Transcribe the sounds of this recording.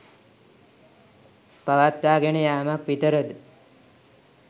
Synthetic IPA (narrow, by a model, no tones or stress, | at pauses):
paʋat̪ɾaːɡenəjaːmakʋit̪əɾəd̪